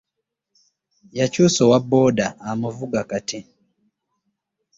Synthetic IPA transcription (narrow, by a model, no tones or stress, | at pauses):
jacuːsowabːo̞ːdaːmuvuɡakate